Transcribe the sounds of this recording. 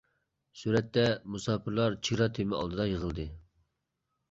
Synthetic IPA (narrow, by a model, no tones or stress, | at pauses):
suɾɛt̪ːɛmusɑːpʰɨɾlˠɑɾt͡ʃʰiɾɑt̪ʰemɪɑ̰lˠd̪ɨd̪ɑjəʁəlˠd̪ɨ